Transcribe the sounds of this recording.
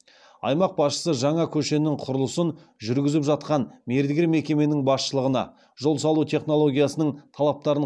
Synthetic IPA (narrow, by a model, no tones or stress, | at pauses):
ɑ̰jmɑq̚bɑsʃə̥səʒɑɴɑkʲʰɵʃe̞nɪŋqʰʊɾəlˠəsən | ʒʏɾɡʲɪzɪpʒɑt̪̚qɑnme̞ɾd̪ɪɡʲɪɾme̞kʲe̞me̞nɪŋbɑsʃəlˠəʁənɑ̰ | ʒo̞lˠsɑlˠut̪ʰe̞χno̞lˠo̞ɡʲijasənəɴt̪ʰɑlˠɑp̚t̪ɑɾən